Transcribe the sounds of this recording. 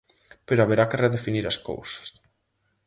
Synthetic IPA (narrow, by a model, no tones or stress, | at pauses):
peɾoaβeɾakereðefiniɾasko̰wsḁs